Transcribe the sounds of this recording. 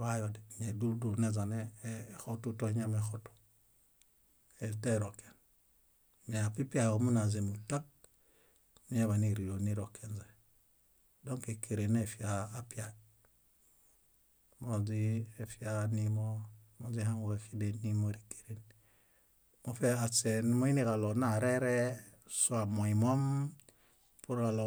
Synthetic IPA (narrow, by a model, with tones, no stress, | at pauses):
βajodeɲeduldunezanexotutoɲamexotu̥ | eltaɾoke̥n | meapi˦piaɡomunazenutak̚ | mi˦ɲeβaniɾijoniɾokːenze | doŋkekʰe˨ɾenefiaː˦pi˦a˨ | mo˨zi˦e˨fi˦a˦ni˦mo˦mo˨zi˦ha˦ŋu˨ke˨ki˦de˨nːi˦mo˦ɾi˨ke̥˨ɾe˨n | mo˨fa˨se˨n˦mo˦i˦ni˦ka˨lo˨na˨ɾe˦ɾe˦ | su˦a˨mo˨i˨mo˦m | pu˦ɾka˨lo˨